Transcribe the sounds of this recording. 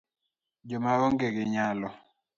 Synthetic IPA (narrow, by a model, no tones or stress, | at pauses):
d͡ʒɔmaɔŋɡeɡɪɲalɔ